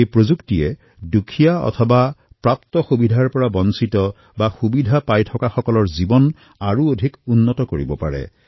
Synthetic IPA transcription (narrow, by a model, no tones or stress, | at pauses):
ejpɹozuktiɛ | dukʰijaɔ̰tʰɔba | pɹaptɔxubidʱaɹpɔɹabɔnsitɔ | baxubidʱapajtʰɔkaxɔkɔlɔɹzibɔn | aɹuodʱikunːɔtɔkoɹibɔpa̰ɹɛ̰